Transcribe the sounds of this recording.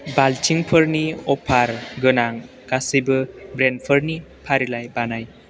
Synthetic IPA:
balt͡ʃiŋpʰəɾniɔpʰaɾɡɯnaŋ | kasijbɯbɾenpʰəɾni | pʰaɾilajbanaj

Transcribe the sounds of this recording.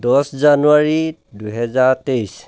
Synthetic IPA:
d̪ɔszanuaɹiduɦɛzaɹtejs

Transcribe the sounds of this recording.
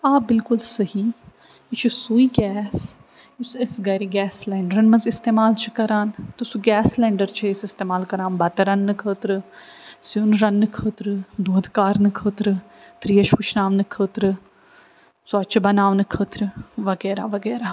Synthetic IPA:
aːpbɪlkʊlsɐɦiː | t͡ʃʰisuːiːɡɛːs | usesɡɐɾiɡɛːslɛːɳɖəɾənmɐzɪst̪eːmaːlt͡ʃʰikɐɾaːnt̪ʊsũɡɛːslɛ̃ːɳɖəɾt͡ʃʰiɪsɪst̪eːmaːlkɐɾãːnbɐt̪əɾɐnːɨkʰəːt̪ɾɨ | siunɾɐnːɨkʰəːt̪ɾɨd̪oːd̪kaːɾnɨkʰəːt̪ɾɨ | t̪ɾiːɐʃpʊt͡ʃʰnaːʋnɨkʰəːt̪ɾɨ | sʊɐt͡ʃʰbɐnaːʋnɨkʰəːt̪ɾɨʋɐɡɛːɾaːʋɐɡɛːɾaː

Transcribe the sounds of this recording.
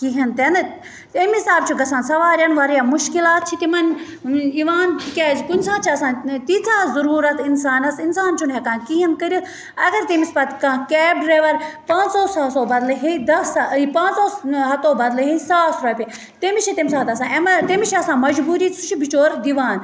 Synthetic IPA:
kiɦɐnt̪en | temisaːb̚t͡ʃʰuɡɐsaːnsɐʋaːɾʲjɐnʋaːɾjamuʃkilaːt̪̚t͡ʃʰit̪imɐn | iʋaːnkeːd͡ʒkunʲsãːt͡ʃʰiɐsãːnt̪it͡saːzɐɾuːɾɐt̪insaːnɐsinsaːnt͡ʃʰunɦekãːnkiɦɐnkɐɾis | ɐɡɐɾt̪emispɐt̪kãːkɛːbɾeʋɐɾpãːt͡ʃsoːsaːsoːbɐd̪lɐɦid̪ɐspãːnsoːɦɐt̪oːbɐd̪lɐɦisaːsɾoːpʲe | t̪emit͡ʃʰit̪emsaːt̪ɐsãːemt̪emit͡ʃʰiɐsãːmɐd͡ʒbuːɾiːsut͡ʃʰibit͡ʃoːɾd̪iʋaːn

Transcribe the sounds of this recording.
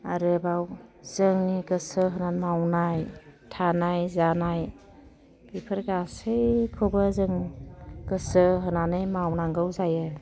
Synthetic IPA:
aɾɯbawzɯŋniɡɯsɯɦɯnanmawnajtʰanajzanaj | bipʰɯɾɡasɯjkʰɔbəzɯŋɡ̥ɯsɯɦɯnanɯjmawnaŋɡɯwzajɯ

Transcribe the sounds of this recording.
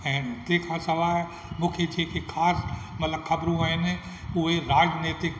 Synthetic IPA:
ɛ̃ːt̪ẽkʰãsɐʋaːɦ | mũːkʰet͡ʃʰeːkʰekʰaːsmɐt̪ləbkʰɐbɾũaɪn | ʊɦeɾaːd͡ʒneːt̪ɪk

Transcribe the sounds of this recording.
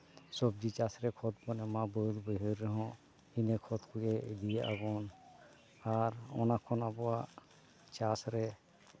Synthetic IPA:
sɔb̚d͡ʒit͡ʃasɾɛkʰɔt̪̚pɔnɛmãbəud̪bəɦəɾːɛɦɔ̃ | inekʰɔt̪kʰujɛd̪ijaʔabɔn | aɾɔ̰nakʰɔnabɔa | t͡ʃasɾɛ

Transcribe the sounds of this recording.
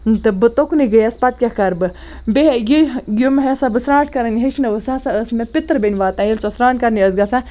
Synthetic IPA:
nt̪ɨbɨt̪okuniɡəjɐspɐt̪̚kʲakɐɾbɨ | beɦejiɡʲumɦesabɨsɾãːʈʰkɐɾɐnɦet͡ʃʰnɨʋəsasaəsmepit̪ɾbenʲʋaːt̪ãːjilt͡ʃosɾaːnkɐɾniəsɡasa

